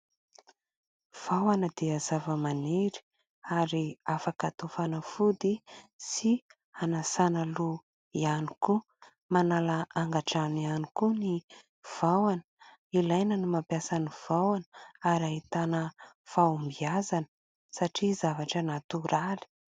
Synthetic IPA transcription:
v̥awanəd̪eaz̥avəmaneɾi̥ | aɾiafakat̪ofanəfud̪isi | anasanəlu | ianiku | manalaʔaŋɡaʈ͡ʂanianikuni | v̥awanə | ilajnənimampjasaniv̥awanəaɾaɦit̪anə | fambiazanə | saʈ͡ʂizavaʈ͡ʂanat̪uɾali̥

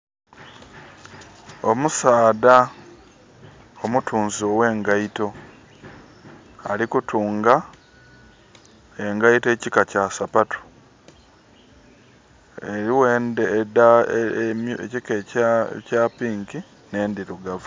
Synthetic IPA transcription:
omusaːda | omutʰuːnziowe̞ːŋɡaito̞ | a̰likutʰuːŋɡa | e̞ŋɡaite̞ːcikacasapatu̥ | eɾiwendeda | ecikecaːpiːŋki | ne̞ːndiɾuɡavu

